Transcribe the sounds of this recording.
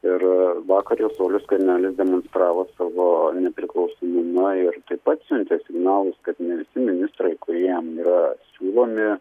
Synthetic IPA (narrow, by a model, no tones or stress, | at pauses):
ɪrʋɑːkɐɾʲjoːsoːlʲʊskɐɾʲnʲæːlʲɪsd̪ʲɛmonst̪ɾɑːʋoːsɑːʋoːnʲɛpʲɾʲɪklˠɒʊsoːmʊmɐɪrt̪ɐɪppɐt̪sʲʉnʲt̪ʲesʲɪɡnɑːlˠʊskɐt̪nʲɛʋʲɪsʲɪmʲɪnʲɪst̪ɾɐɪkʊɾʲiɛjɛmiːɾɐsʲuːlˠoːmʲɪ